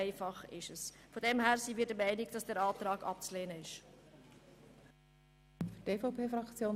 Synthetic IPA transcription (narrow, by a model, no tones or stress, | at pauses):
ɪfɑχɪʃəsfodɛmhæːɾsiːviːdəmæɪnɪɡd̥ɑsd̥æːɾɑːtɾɑːɡ̥ɑ̰p̚t͡sleːnəɪʃ | fd̥eːfaʊpʰeːfɾɑkt͡sjoːn